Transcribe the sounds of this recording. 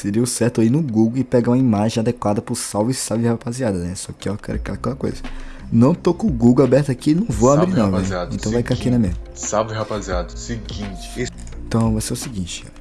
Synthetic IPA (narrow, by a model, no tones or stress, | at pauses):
sɪɾiʊsɛɾt̪ʊainʊɡuɡoɪpɛɡaũɐimaʒẽj̃ad̪ekwad̪ɐpʊsawvɪsavɪhapaziad̪ɐnɛsɔkɪɔkɛ̰lɐkɛlɐkɛlɐko̰jzɐ | nɐ̃w̃t̪okõɡuɡoabɛɾt̪ɐakinɐ̃w̃voamɾinɐ̃w̃vẽad̪ẽt̪ɐ̃w̃vajfkakinɛmemɐsavihapaziad̪siɡĩt͡ʃɪ̥ | ẽt̪ɐ̃w̃vaseʊsɪɡĩt͡ʃɪ̥ɔ̰